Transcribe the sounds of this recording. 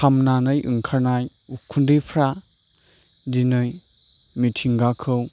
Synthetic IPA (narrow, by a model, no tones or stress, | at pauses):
amnanɯjʔɯŋkʰaɾnaj | ukʰundɯpʰɾa | dinɯj | mitʰiŋɡakʰɯw